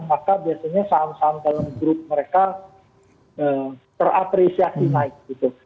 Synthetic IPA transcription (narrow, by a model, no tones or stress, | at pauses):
makabiasaɲasamsamdalamɡɾʊp̚məɾeka | ʔəːmt̪ərapɾesiasinaɪk̚ɡ̥it̪u